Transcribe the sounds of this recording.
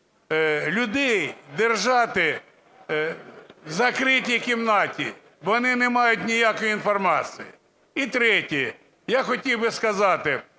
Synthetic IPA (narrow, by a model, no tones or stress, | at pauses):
lʲʊd̪ɛjd̪erʒɑt̪ɪ | zɐkɾɪtʲikʲimnɑtʲḭ | ʋɔnɪnɛmɑjʊtʲnʲijakɔjʊinfɔrmɑt͡siji | it̪ɾɛtʲi | jaxɔtʲiwbɪskɐzɑt̪ɪ